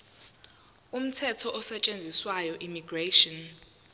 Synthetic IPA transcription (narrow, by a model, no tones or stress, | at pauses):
um̩tʰɛtʰɔʔɔsɛt͡ʃʼend͡zʱiswajɔʔimiɡreʃɔn